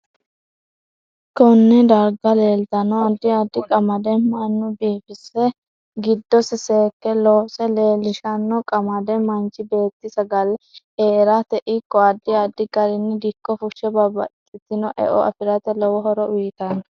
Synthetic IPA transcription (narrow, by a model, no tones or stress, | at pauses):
kɔnːɛd̪ɐɾɡɐleːlt̪ɐnɔɐd̪ːɪɐd̪ːɪkʼɐmɐd̪ɛmɐnːʊbiːfɪsɛ | ɡɪd̪ːɔsɪseːkːɛlɔːsɛleːlɪʃɐnːɔkʼɐmɐd̪ɛmɐnt͡ʃɪbe̞ːt̪ːɪsɐɡɐl | eːɾat̪ɛʔɪkːɔɐd̪ːɪɐd̪ːɪɡɐɾɪnːɛd̪ɪkːɔfʊʃɛbɐbɐ̰t̪ʼːɪt̪ːɪnɔʔɛ̰ʔɔ̰ʔɐ̰fɪɾɐt̪ɛlɔwɔɦɔɾɔʔʊjt̪ɐn